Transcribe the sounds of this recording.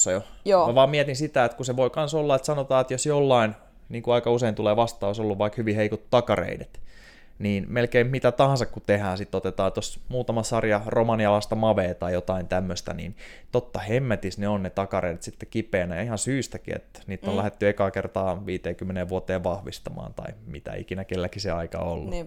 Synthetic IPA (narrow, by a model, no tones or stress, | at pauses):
ɑjojoːmæʋɑːmmiɛt̪insit̪æet̪kuseʋoikɑnsolːɑet̪sɑnot̪ɑːet̪josjolːɑin | niːŋkuɑikɑuseint̪uleːʋɑst̪ɑːosolːuʋʋɑikhyʋiheikut̪t̪ːɑkɑrḛidet̪ | niːnmelkeimmit̪æt̪ɑhɑ̃nsɑkkut̪ehæːsit̪ːot̪et̪ɑːt̪osmuːt̪ɑmɑsɑrjɑromɑniɑlɑst̪ɑmɑʋeːt̪ɑijot̪ɑint̪æmːøst̪æ̰nḭːnt̪ot̪ːɑhemːæt̪isneonnet̪ɑkɑrḛidet̪sit̪ːekipeːnæjɑihɑnsyːst̪ækḭḛt̪niːt̪ːollæhet̪ːyekɑkert̪ɑːʋiːt̪eːkymːeneːʋʋuot̪eːʋʋɑhʋist̪ɑmɑ̰ːnt̪ɑ̰imḭt̪æ̰ḭkinækelːækiseɑikɑ̰o̰lːu